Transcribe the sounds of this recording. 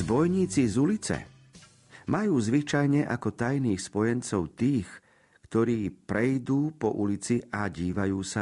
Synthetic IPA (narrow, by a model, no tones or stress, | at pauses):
zbɔjɲiːt͡sizulit͡sɛ̰ | mʔajuːzʋit͡ʃajɲɛʔa̰kɔt̪ajniːxspɔjɛnt͡sɔʊt̪iːx | kt̪ɔɾiːpɾɛjd̪uːpɔʔulit͡siʔaɟiːʋajuːsa